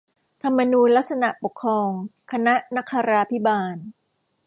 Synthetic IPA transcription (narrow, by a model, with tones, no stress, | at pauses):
t̪ʰa˧mːa˧nuː˧nla˦˥k̚sa˧na˨˩ʔpo˨˩kʰːɾɔː˧ŋkʰa˧na˦˥ʔna˦˥kʰːaː˧ɾaː˧pʰi˦˥baː˧n